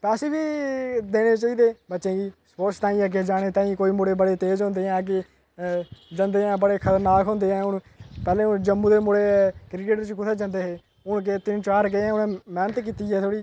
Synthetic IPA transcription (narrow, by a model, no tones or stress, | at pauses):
pɛːseːbiːd̪eːɽ̃eːt͡ʃaːiːd̪eːbətːʃẽːɡiːspoːt͡ʃt̪ãːĩːaːk̬ed͡ʒaːɽ̃eːt̪ãːĩːkoːiːmoɽeːbəɽeːt̪eːd͡ʒɦʊ̃nd̪eːãːk̬e | d͡ʒənd̪eːãːbəɽeːkʰət̪əɾnaːkɦʊ̃nd̪eːɛ̃ːʊn | pɛːlẽːʊnd͡ʒəmːũːd̪eːmʊɽeːkɾɪkeːʈəɾt͡ʃkʊt̪ʰeːd͡ʒə̃nd̪eːɦeː | ʊnket̪ɪnt͡ʃaːɾk̬eɛ̃ːʊnɛ̃ːmɛːnət̪kiːt̪iːɛːt̪ʰoːɽiː